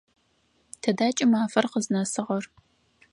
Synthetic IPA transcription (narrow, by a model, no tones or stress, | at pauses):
tʰɐdaːt͡ʃʼɪmaːfɐrqəznɐsɨʁɐr